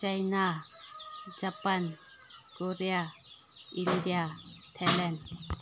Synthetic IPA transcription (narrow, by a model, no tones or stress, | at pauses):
t͡ʃajna | d͡ʒapan | koɾeja | ind̪ijat̪ʰalɛn